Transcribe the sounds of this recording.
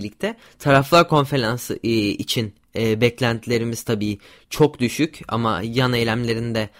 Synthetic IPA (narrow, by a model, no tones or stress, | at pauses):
lʲːic̚t̪ʰɛ | t̪ʰaɾaflˠaɾkʰo̞nfe̞ɾansit͡ʃʰin | ɛːbɛclʲænt̪ʰilʲe̞ɾimiz̥t̪ʰabiː | t͡ʃʰo̞kd̪yʃyca̰ma̰janejlʲæmlʲe̞ɾind̪ɛ